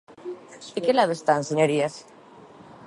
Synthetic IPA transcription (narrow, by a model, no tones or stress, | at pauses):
ikelaβest̪anseɲoɾias